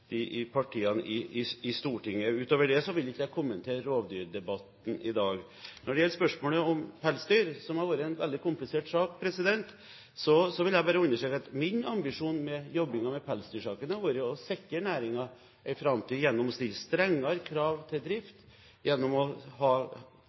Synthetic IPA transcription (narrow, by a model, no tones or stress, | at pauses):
ɪɪpʰɑʈʰiːɑn̰ɪɪɪst̪uːʈɪŋːəʉːt̪oːʋəɖɛsɔʋɪlɪkːəjæɪkʰʊmːənt̪ʰeːɾoːʋd̪yːɾd̪ɛbɑt̪n̩ɪd̪ɑːɡ | nɔɖɛjɛlːəspœʂmoːləɔmpʰɛlsd̪yːɾsɔmhɑɾʋoːɾəɛɪnʋɛ̰ld̪ɪkʰʊmplɪseːʈsɑːkpʰɾɛsɪd̪ɛnt̪ | sɔsɔʋɪljɛæɪbɑːɾəʉnːəʂʈɾɛːkɑt̪mɪnɑmbɪʂuːnmɛjɔbːɪŋɑmɛpʰɛlsd̪yːʂɑːkənəʋuːɾəɔsɛkːənæːɾɪŋɑ | ʔæɪfɾɑmt̪iːjɛnːɔmɔst̪ɪlːst̪ɾɛŋːɑɾkʰɾɑːʋt̪ʰɪld̪ɾɪft̪ | jɛnːɔmɔhɑː